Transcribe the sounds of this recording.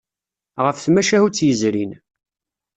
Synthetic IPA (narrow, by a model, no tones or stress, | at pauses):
ʁəfθmæʃæhut͡sːjəzɾin